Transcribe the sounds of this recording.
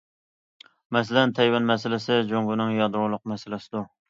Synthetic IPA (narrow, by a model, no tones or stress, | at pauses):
mɛsɪlɛnt̪ʰɛjwɛnmɛsɪlɪsɪd͡ʒoŋɡunɪŋjɑd̪ɾʊlˠʊqmɛsɪlɪsɪd̪u